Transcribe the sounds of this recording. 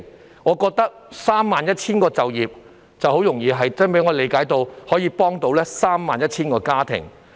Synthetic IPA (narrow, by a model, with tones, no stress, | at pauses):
ŋɔː˨˧kɔː˧k̚t̪ɐ˥k̚saː˥mːaː˨njɐ˥t̚t͡sʰiː˥nkɔː˧t͡sɐ˨wjiː˨p̚ | t͡sɐ˨who˨˥wjʊ˨˩ŋjiː˨˧ɦɐ˨jt͡sɐ˥npe˨˥ŋɔː˨˧le˨˧jkaː˨˥jt̪o˧whɔː˨˥jiː˧pɔː˥ŋt̪o˧wlɛː˥saː˥mːaː˨njɐ˥t̚t͡sʰiː˥nkɔː˧kaː˥t̪ʰɪ̰˨˩ŋ